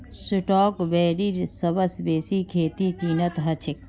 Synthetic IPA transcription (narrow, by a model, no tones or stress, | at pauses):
sʊʈoːkʋeːɾiːɾsɐbɐsbeːsiːkʰeːt̪iːt͡ʃiːnɐt̪ɦɐt͡ʃʰɪk